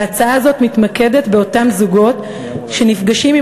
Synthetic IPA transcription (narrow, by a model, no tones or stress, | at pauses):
at͡saaːzo̞tmitmake̞d̪e̞tbe̞o̞tamzuɡo̞t | ʃe̞nifɡaʃimi